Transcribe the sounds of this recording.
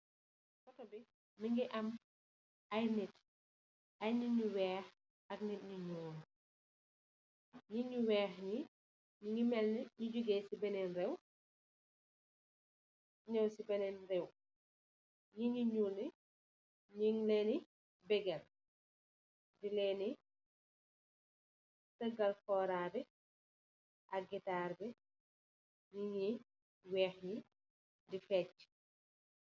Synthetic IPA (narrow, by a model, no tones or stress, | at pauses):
fɔtɐbi | niŋɡiʔɐm | ɐjnɛt | ɐjɲiɲuwɛːx | ɐk̚nɛt̚ɲuɲuːl | ɲiɲuwɛːxɲi | ɲiŋɡimɛlniɲuɟuɡɛsibɛnɛnrɛw | ɲɛwsibɛnɛnrɛw | ɲiɲiɲuli | ɲiŋlɛni | bɛɡɛl | dilɛːni | tɐɡɐlfɔːɾaːbɛ | ʔɐɡitaːrbi | ɲiɲi | wɛːxɲi | difɛt